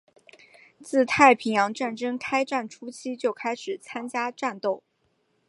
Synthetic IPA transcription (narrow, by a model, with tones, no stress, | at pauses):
t͡sɹ̩˥˧t̪ʰa˥˩ɪpʰi˧˥ŋjɑ˧˥ŋʈ͡ʂa˥˩nʈ͡ʂɤ˥ŋkʰa˥ɪʈ͡ʂa˥˩nʈ͡ʂʰu˥t͡ɕʰi˥t͡ɕjo˥˩ʊkʰa˥ɪʂɻ̩˨˩t͡sʰa˥nt͡ɕja˥ʈ͡ʂa˥˧nt̪o˥˩ʊ